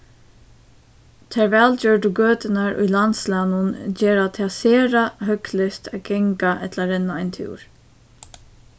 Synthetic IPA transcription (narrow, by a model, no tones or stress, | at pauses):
t̪ʰɛːɹʋɛːld͡ʒœːɹɖʊɡøːt̪ɪnaɹʊ̰jlant̪slaːnʊnd͡ʒeːɹat̪ʰɪaseːɹaɦœklɪst̪aːɡɛŋkaʔɛt̪ʰlaɾɛnːaajnt̪ʰṵːɹ